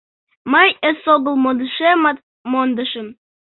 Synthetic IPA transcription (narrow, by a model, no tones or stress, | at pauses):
məjəsoɡə̆lˠmod̪əʃem | mond̪əʃə̆m